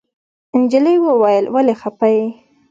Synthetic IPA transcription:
ɪnd͡ʒəlijwəwajəlwalexapaji

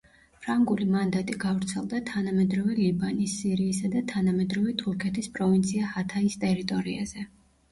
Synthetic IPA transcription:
pʰɾaŋɡulimand̪at̪ʼiɡavɾt̪sʰɛlˠd̪at̪ʰanamɛd̪ɾɔvɛlibanisːiɾiːsad̪at̪ʰanamɛd̪ɾɔvɛt̪ʰuɾkʰɛt̪ʰispʼɾɔvint̪sʰiahat̪ʰaist̪ʼɛɾit̪ʼɔɾiaz̥ɛ

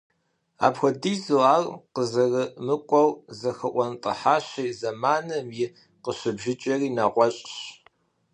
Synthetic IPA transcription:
a̰ːpxʷɔdiːzuaːrqəzɐrɨmɨkʷʼɔwzɐxɐʔʷɔntʼɐ̰ħaːɕɐjzɐmaːnɐmjɪ | qəɕɪbʒɪt͡ʃʼɐriːnaʁʷɔɕʼɕ

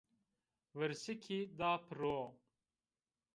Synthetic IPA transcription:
wəɾsikʰid̪aːpʰɾoː

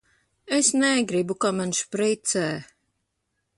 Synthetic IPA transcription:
esnɛɡɾibukamanʃpɾit̪sɛː

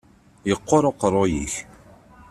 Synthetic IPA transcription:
jəqːoɾˤoqərˤːojḭç

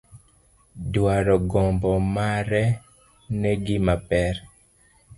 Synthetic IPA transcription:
dwaɾɔɡɔmbɔmaɾɛ | nɛɡɪmapɛɾ

